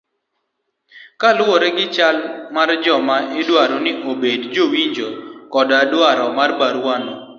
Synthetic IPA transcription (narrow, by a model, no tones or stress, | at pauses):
kalɔɾɛɡɪt͡ʃalmard͡ʒɔmaɪdwaɾɔnɪʔobedd͡ʒowiɲd͡ʒɔkɔdadwaɾɔmarbaɾwanɔ